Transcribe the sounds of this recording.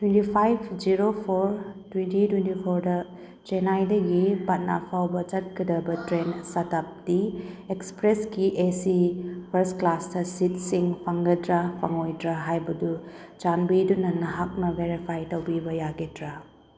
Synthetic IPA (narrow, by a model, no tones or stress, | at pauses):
twentipʰajpʰd͡ʒiɾopʰoɾtwentitwentipʰoɾdɐ | t͡ʃenajdɐɡipɐt̚na̰pʰawbɐt͡ʃɐt̚kʰidɐbɐtɾensatap̚d̥iekspɾeskiʔesipʰɐɾsklasdɐsit̚siŋpʰaŋɡɐdɾapʰa̰ŋojdɾaɦajbɐdu | t͡ʃanbidunɐnɐɦak̚nɐbeɾipʰajtɐwbibɐjaɡetɾa